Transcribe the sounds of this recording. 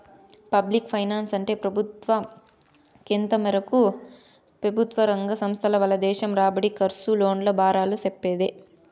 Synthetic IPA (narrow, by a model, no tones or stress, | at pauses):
pɐblikpʰɐjnaːnsɐɳʈe̞ːpɾɐbʱut̪ʋɐ | kent̪ɐmɐɾɐku | pɾɐbʱut̪ʋɐɾɐŋɡɐsɐmst̪ʰɐlɐʋɐlːɐd̪ɛːʃɐmɾaːbɐɽikɐɾsulo̞ːɳlobaːɾaːlusepːeːd̪e